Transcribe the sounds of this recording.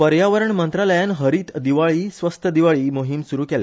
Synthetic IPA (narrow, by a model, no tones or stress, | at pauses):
pəɾjaʋəɾəɳmənt̪ɾaləjanɦəɾiːt̪d̪iʋaɭiːsʋəst̪ʰəd̪iʋaɭiːmoɦimsuɾuːkɛlja̰